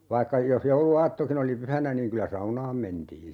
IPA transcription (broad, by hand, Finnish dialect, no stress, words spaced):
ʋɑikːɑ jos jouluɑːtːokin oli pyhænæ niːŋ kylæ sɑunɑːm mentiːn̞